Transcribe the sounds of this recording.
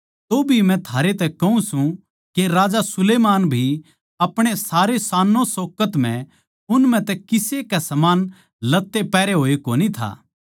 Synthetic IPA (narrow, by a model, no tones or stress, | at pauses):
t̪obʱimɛ̃t̪ʰaːɾet̪ɛkɐɦũsũ | keɾaːd͡ʒasʊleːmaːnbʱi | ɐpɽ̃esaːɾesaːnːõsoːkət̪m̤ɛ̃ | ʊnmɛ̃t̪ɛkɪsekɛsɐmaːn | lɐt̪ːepɛːɾeɦoːekoːnit̪ʰa̰ː